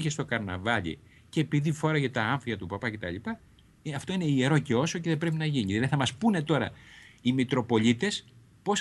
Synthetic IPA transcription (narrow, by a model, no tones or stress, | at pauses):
çest̪o̞kɐɾnɐ̰vɐʎḭ | ce̞ːpiðifo̞ɾɐʝɐt̪ɐɐɱfiɐt̪upɐpɐce̞t̪ɐ̰lipɐ | ɐft̪o̞ine̞ieɾo̞ce̞o̞so̞ce̞ðebɾe̞p̬inɐʝiɲiðeθɐmɐspune̞t̪o̞ɾɐ̰imit̪ɾo̞po̞ʎit̪e̞s | po̞s